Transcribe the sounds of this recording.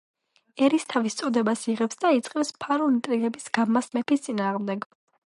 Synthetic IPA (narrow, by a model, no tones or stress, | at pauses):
ɛɾist̪ʰavist̪sʼɔd̪ɛbasiʁɛpsd̪ait̪sʼqʼɛpspʰaɾɔnit̪ʼɾilɛbisɡ̥amasmɛpʰist̪sʼinaːʁmd̪ɛɡ